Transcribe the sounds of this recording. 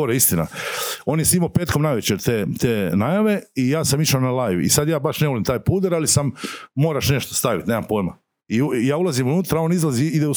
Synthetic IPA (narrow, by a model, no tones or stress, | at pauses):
oɾeist̪ina̰o̞ːnjesimapeːt̪ko̞mnajʋet͡ɕeɾt̪et̪eːnajaʋe̞ijaːsamiʃanalajṵḭsad̪jaːbaʃneʋolimt̪aːjpuːd̪eɾalisamːo̞ːɾaʃne̞ʃt̪ost̪aʋit̪neːmampoːjma | ijaːulˠazimunuːt̪ɾao̞ːnizlˠaziid̪eu